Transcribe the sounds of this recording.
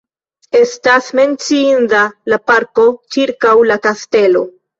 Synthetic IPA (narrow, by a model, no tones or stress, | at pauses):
e̞stasme̞nt͡siindalapaɾko̞t͡ʃiɾkawlakaste̞lo̞̰